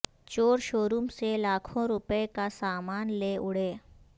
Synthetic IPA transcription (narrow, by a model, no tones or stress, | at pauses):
t͡ʃoːɾʃoːɾumselaːkʰõɾʊpekasaːmaːnleʔʊɽ̤eː